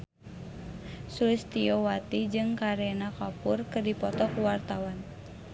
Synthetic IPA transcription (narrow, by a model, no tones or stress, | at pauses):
sulist̪iɔwat̪id͡ʒɨŋkaɾɛnakapurkɨrdipɔt̪ɔkuwart̪awan